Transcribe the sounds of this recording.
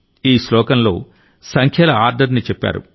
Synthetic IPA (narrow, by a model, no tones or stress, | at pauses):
iːslɔːkɐnlo̞̰ː | sɐŋkʰɛːlɐaːɾɖɐɾnit͡ʃɛpːa̰ːɾṵ